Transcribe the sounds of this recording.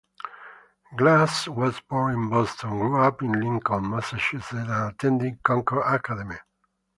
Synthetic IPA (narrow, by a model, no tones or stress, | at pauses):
ɡlaswɔzbɔĩnbɔstʰɔ̃nɡɹuapĩnlĩŋkɔ̃nmasaʃʉsetãnatʰɛ̃ndĩkɔ̃ŋkə˞ʔakadɛmi